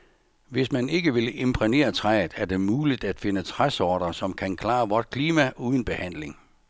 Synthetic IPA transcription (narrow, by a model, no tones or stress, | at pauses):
ʋe̝smæne̝ɡ̥əʋe̝ləʔe̝mpʰʁine̝̰ːɐt͡sʰʁað̩ˠæɐd̥e̝muːlid̥æd̥fe̝nət͡sʰʁasɒːɾ̥ɐsɒ̽mkʰænkʰlɑ̰̈ːʋɒd̥̚kʰliːmæʔuːð̞ˠən̩b̥e̝hæn̰le̝ŋ